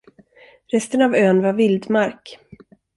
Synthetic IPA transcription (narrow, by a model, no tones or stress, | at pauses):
ɾɛst̪ənavøːnvaɾvɪld̪maɾk